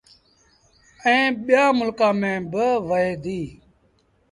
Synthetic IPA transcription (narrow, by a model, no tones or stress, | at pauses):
ɛ̃ːɓɪjaːmʊlkãːmẽːbəʋəɦeːd̪iː